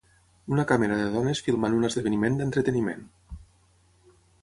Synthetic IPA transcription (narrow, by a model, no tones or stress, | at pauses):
unəkaməɾəðəðɔnəsfilˠmanunəzðəβənimend̪ənt̪ɾət̪ənimḛn